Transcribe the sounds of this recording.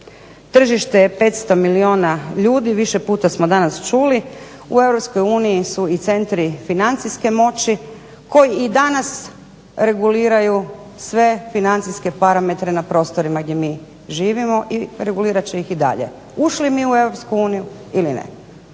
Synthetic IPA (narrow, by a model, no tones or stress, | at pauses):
t̪r̩ʒiʃt̪ejepe̞t̪st̪o̞milio̞ːnaʎuːd̪iʋiʃepuːt̪asmo̞d̪anast͡ʃuli | ue̞ʋɾo̞psko̞juːnijisuit̪se̞nt̪ɾifinant̪siske̞mo̞t͡ɕi | ko̞jiid̪anas | ɾe̞ɡuliːɾaju | sʋe̞finant̪siske̞paɾame̞t̪ɾe̞napɾo̞ːst̪o̞ɾimaɡd̪jemiː | ʒiːʋimo̞ʔiɾeɡuliːɾat͡ɕeixid̪a̰ʎe̞̰ | uʃlimiːue̞ʋɾo̞pskuuːniju | ilinḛ